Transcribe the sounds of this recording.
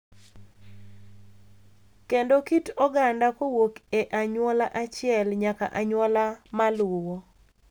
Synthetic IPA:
kendokitɔɡandakowokeʔaɲwɔlaʔat͡ʃɪɛlɲaka̰ʔaɲwɔlamalwowo

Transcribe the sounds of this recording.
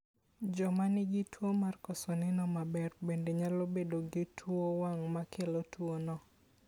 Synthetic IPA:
d͡ʒɔmanɪɡɪtwomarkɔsɔnɪnɔmabɛrbendeɲalobedoɡɪtʰwowaŋmakʰelotwonɔ

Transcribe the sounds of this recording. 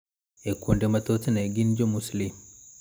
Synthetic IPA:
ekundematotinaeɡind͡ʒomuslim

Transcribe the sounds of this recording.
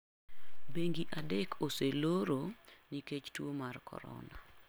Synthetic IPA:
beŋɡiʔadekʰoseloɾoniket͡ʃtwomarkʰɔ̰ɾɔ̰na̰

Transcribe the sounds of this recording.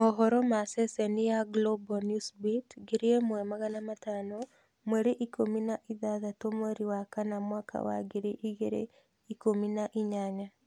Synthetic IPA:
ɔɦɔɾɔmasesɛnijaɡlobɔnusbitɡeɾiemwɛmaɣanamatano | mweɾeʔikʰominaʔiðaðatomweɾiwakanamwaːkʰa̰wa̰ɡeɾeʔiɣeɾḛ | ikominaʔiɲaɲa

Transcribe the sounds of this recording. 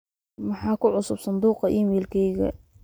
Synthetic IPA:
mɑħɑːkʊʕʊsʊbsɑnd̪uːqɑʔimɛːlkʰɛjɣɐ̰

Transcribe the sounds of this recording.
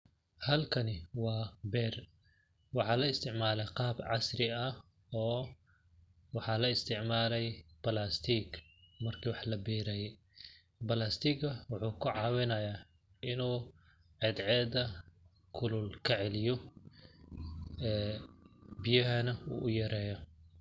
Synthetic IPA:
hɐlkʰɐnɪwɑːbɛːr | wɑħɑːlɐɪst̪ʰɪʕmaːlɛjqɑːbʕɑ̰srɪɐ | ɔː | wɑħɑːlɐɪst̪ʰɪʕmaːlɛjb̥ɐlaːst̪ʰiːɡ | mɐrkʰiwɑħlɐbɛːɾɛjɛ | bɐlaːst̪ʰiːɡɐwʊħuːkʰʊʕɑːwɪnɐjaː | ʔɪnuː | ʕɛd̪ʕɛːd̪ɐ | kʰʊlʊlkʰɐʕɛlɪjɔ | ɛː | bijɐɦɐnɐṵːʔʊjɐɾɛːjɔ

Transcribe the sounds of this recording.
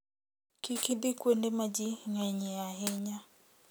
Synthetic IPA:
kikid̪ikwendemad͡ʒiŋaɲɛaɦɛɲa

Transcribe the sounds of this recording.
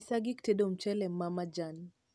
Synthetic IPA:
saɡikteɗom̩t͡ʃɛlɛmamad͡ʒani

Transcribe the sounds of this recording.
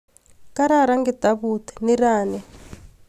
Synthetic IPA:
kaɾaɾaŋɡɛd̪̥aβut̪ʰɛ̥niraːnɛ

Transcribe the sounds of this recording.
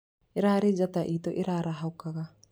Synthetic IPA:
iɾaːɾid͡ʒat̪aʔiːt̪oʔiɾaɾaɦawkaɡa

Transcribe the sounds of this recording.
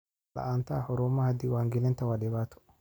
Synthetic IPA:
ɐ̰ʔaːnt̪aːhɔɾoːmːahɐd̪ɪwaːŋɡɪlɛnt̪ɐwaːdɛbaːt̪ʰɔ̥

